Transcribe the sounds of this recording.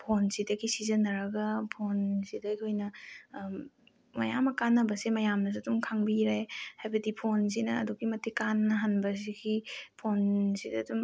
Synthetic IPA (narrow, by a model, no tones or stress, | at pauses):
pʰonsidɐɡisizɐnɐɾɐɡɐpʰonsidɐɐjkʰojnɐ | mɐjamɐkanːɐbɐsemɐjamnɐs̬eɐdumkʰaŋbiɾajhajbɐdipʰons̬inɐːduɡimɐtʰikanːɐɦanbɐs̬iɡipʰonsidɐːdum